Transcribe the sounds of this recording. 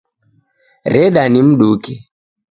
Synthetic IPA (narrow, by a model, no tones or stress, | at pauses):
ɾɛɗanim̩ɗuki